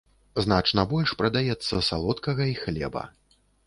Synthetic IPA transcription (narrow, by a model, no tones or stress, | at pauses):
znat͡ʂnɐbɔlʲʂpɾɐd̪ajɛt̪sːɐ̰sa̰lˠɔt̪kɐɣɐixlʲɛ̰bɐ̰